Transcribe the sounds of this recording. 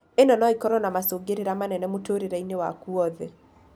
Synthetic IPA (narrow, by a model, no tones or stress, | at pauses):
enɔnɔikɔɾwɔnamasoːɡeɾeɾamanɛnɛmotoɾeɾainewa̰kuɔðɛ